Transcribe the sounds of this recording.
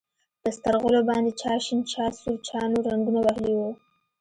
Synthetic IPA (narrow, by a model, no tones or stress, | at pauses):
pəst̪aɾɣolobɑnd̪et͡ʃɑʃint͡ʃɑsuɾt͡ʃɑnoɾaŋɡunawaɦliwu